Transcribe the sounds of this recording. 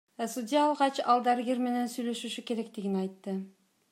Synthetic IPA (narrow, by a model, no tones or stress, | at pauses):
sudʲɪjaːlˠʁɑt͡ʃɑlˠd̪æɾɡeɾme̞ne̞nsyjlø̞ʃyʃyke̞ɾe̞kt̪iɡinɑjt̪ːɯ